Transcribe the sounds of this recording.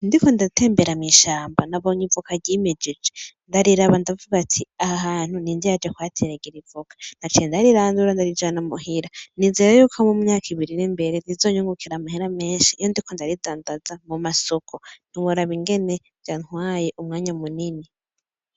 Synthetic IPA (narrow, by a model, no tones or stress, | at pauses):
ndiko̞ndatʰe̞ːmbeɾamiʃaːmbanaβoɲivukaɾɟimed͡ʒid͡ʒendaɾiɾaβandavuβatʰiahaɦaːn̥hunindijad͡ʒekwatʰeɾeɡiɾivukʰḁnat͡ʃiendaɾiɾaːnduɾandaɾid͡ʒaːnamuɦiɾanizeːɾajukʰamumuɲaːkiβiɾinimbe̞ɾenizo̞ɲuŋɡukʰiɾamahiɾame̞ːnʃiːjondiko̞ndaɾidaːndazamumasokʰon̥iβuɾaβiŋɡe̞ne | ɟaŋ̥hwaːjeʔumŋaːɲamunini